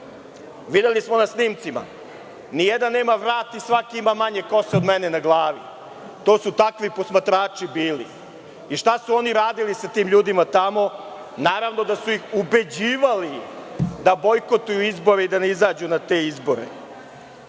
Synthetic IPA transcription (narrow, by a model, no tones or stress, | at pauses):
ʋid̪elismo̞nasniːmt̪sima̰ | nijed̪anːe̞ːmaʋɾaːt̪isʋakiimamaɲeko̞seod̪mene̞naɡlˠaːʋḭ | t̪o̞ːsut̪akʋiposmat̪ɾaːt͡ʂibiːlḭ | iʂt̪asuo̞niɾaːd̪ilisat̪iːmʎuːd̪imat̪amo̞ | naːɾaʋno̞d̪asuixube̞d͡ʑiːʋalid̪abo̞jko̞t̪ujuizbo̞ɾeid̪aneizaːd͡ʑunat̪e̞ːizbo̞ɾḛ